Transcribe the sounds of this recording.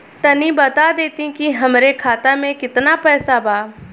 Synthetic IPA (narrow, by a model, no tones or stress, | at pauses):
t̪ɐnibɐt̪ad̪eːt̪ĩkiɦɐmɾekʰaːt̪amẽkɪt̪napɛːsabʱaː